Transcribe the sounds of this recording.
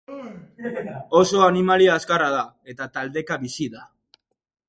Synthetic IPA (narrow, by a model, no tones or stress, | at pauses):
o̞so̞animaliaːskaraða | e̞t̪at̪ald̪e̞kaβisiða